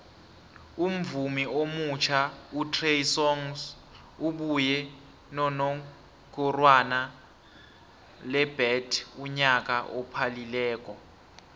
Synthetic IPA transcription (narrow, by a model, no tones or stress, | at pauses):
um̩vumiomut͡ʃʰautʰrejsɔŋs | uɓujɛ | nɔnɔ | kʼurwana | lɛb̥ɛtʰuɲak̬aʔɔpʰalilɛːk̬ʼɔ